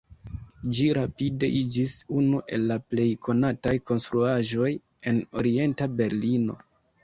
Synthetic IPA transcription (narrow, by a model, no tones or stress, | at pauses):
d͡ʒiɾapide̞̰ʔid͡ʒisunuʔe̞̰lːaple̞jkʰo̞natajko̞nst̪ɾuaʒo̞j | e̞no̞̰ɾie̞ntabe̞ɾlino̞̰